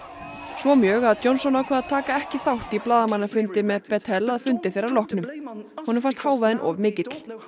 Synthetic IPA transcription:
svɔmjœːɣaðt̪jownsɔnawkʰvɛɾaðt̪ʰaːkaɛhcɪθawht̪iplaːðamanːafʏnt̪ɪmɛðpɛt̪ʰɛlːaðfʏnt̪ɪθjɛɾaɾlɔhknʏmhɔnɪɾ̥fanst̪haːwvaðɪnʔɔ̰vmɪːcɪt̪l̥

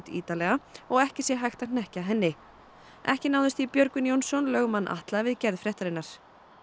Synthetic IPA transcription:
t̪ḭːt̪alɛɣaɔɣɛhcɪsjɛɦajxt̪aðnɛhcaɦɛnːɪ | ɛ̰hcɪnaːwðɪst̪ipjœɾkʏnjownsɔnlœɣmanːʔa̰ht̪lavɪðcɛɾðfɾɛht̪aɾɪnːaɾ̥

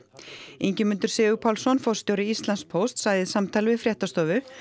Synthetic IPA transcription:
ejɲcɪmʏnt̪ʏɾ̥sɛːɣʏpʰawlsɔnfɔwst̪joːwɾɪist̪lanspʰowst̪saːɣðɪðsamt̪ʰaːlvɪfɾjɛht̪ast̪ɔːvʏ

